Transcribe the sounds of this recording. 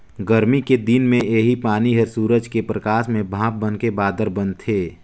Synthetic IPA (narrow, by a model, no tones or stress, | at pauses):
ɡəɾmiked̪ɪnmẽʔeɦipaːniɦəɾsuːɾəd͡ʒkepɾəkaːsmẽbʱãːp̚bənkebaːd̪əɾbə̃nt̪ʰːeː